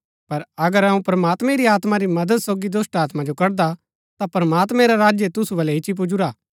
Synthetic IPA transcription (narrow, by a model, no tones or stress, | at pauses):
pɐɾɐɡəɾɐũpɾɐmaːt̪mẽɾiaːt̪maɾimɐd̪əd̪soːɡid̪oːsʈaːt̪mad͡ʒokɐɾd̪a | t̪apɾɐmaːt̪mẽɾaɾaːd͡ʒjet̪ʊsuʋɐlɛɦɪt͡ʃip̬ʊd͡ʒuɾaː